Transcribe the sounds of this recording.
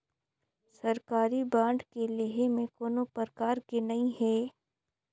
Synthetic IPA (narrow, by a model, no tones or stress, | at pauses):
sɐɾkaːɾibãːɳɖkeleɦemẽkoːnõpəɾkaːɾkenɐĩɦɛː